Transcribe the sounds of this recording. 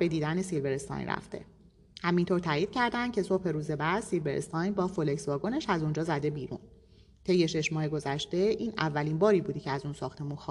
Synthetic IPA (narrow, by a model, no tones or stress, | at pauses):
be̞d̪iːd̪ænesilveɾest̪ɒ̰jnræ̰ft̪ʰe̞̰ | hæmint̪oɾt̪ʰæːjiːd̪̥̚cʰæɾd̪ænd̪̥̚cʰe̞so̞phe̞ɾuːze̞bæːd̪̥silveɾest̪ʰɒːjnbɒːfoleksvɒːɡone̞ʃæzund͡ʒɒːzæd̪e̞biːɾṵːn | t̪ʰe̞jːe̞ʃe̞ʃmɒːhe̞ɡo̞zæʃt̪e̞ʔiːnævːæliːnbɒːɾiːbuːd̪ecʰeæzunsɒːxt̪ʰe̞muːnx